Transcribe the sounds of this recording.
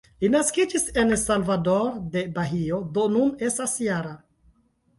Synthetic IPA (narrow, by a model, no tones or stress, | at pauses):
linaskid͡ʒise̞nsalvado̞ɾde̞baɦio̞do̞nune̞stasjaɾa